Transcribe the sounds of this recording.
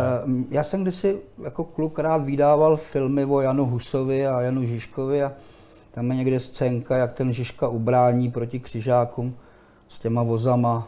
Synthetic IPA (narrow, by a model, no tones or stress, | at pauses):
jaːsɛmɡdɪsɪjako̞klukɾaːt̪vɪdaːvalfɪlmɪvo̞januɦusovɪajanuʒɪʃkovɪa | t̪amjɛɲɛɡdɛst͡sɛːŋkajakt̪ɛnʒɪʃkaʔubɾaːɲiːpɾo̞cɪkr̥ɪʒaːkum | scɛmavo̞zama